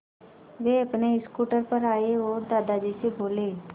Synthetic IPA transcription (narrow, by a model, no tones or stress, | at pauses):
ʋeːəpneɪskuːʈəɾpəɾaːeʋoːd̪aːd̪ad͡ʒiːseboːleː